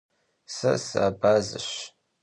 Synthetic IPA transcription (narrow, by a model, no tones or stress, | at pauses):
sɐsɨ̰ːbaːzɨ̰ɕ